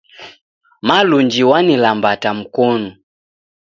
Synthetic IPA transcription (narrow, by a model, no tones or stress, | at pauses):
maluɲd͡ʒiwanilambatam̩kɔnu